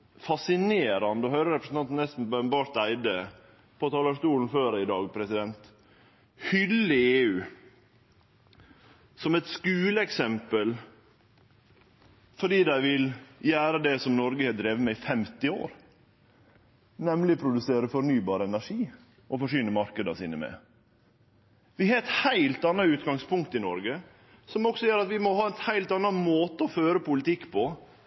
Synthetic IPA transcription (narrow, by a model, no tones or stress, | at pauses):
fɑsɪneːɾɑnd̪əɔhœʏɾəɾɛpɾəsn̩ʰɑnt̪n̩nɛst̪n̩bɑnbɑːɾʈ̪æɪd̪ə | pʰɔt̪ʰɑːləɑʂt̪uːln̩føːɾɪd̪ɑːɡpʰɾɛsɪd̪ɛnt̪ | hʏlːɪeːʉː | sɔmɛt̪skʉːləɛksɛmpəl | fɔɖiːd̪æɪʋɪljæːɾəd̪ɛsɔmnɔɾɡəhɛːd̪ɾeːʋəmɛɪfɛmt̪ɪo̰ːɾ | nɛmlɪpʰɾʊd̪ʉseːɾəfɔɾnyːbɑːɾəɛnæʂiː | ʔɔfɔʂʏːnəmɑɾkəd̪ɑsḭːnəmɛ̰ | ʋɪhɛːt̪hæɪlt̪ɑnɑʉːt̪ɡɑŋspʰʊŋkt̪ɪnɔɾɡə | sɔmɔksɔjøːɾɑt̪ʋɪmɔhɑːɛt̪hæɪlt̪ɑnːɑmoːt̪əɔføːɾəpʊlɪt̪ɪkːpʰɔ